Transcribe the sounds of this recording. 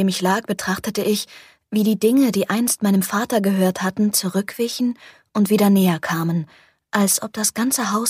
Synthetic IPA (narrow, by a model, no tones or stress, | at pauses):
eːmɪçlaːk̚b̥ətʁ̥aχtətəʔɪç | viːdiːdɪŋədiːʔaɪnst̚maɪnəmfaːtɐɡəɦøːɐthatn̩t͡suʁʏkv̥ɪçn̩ | ʔʊntv̥iːɾɐnɛːɐkʰaːmən | ʔalsʔɔp̚d̥asɡ̥ant͡səɦaʊ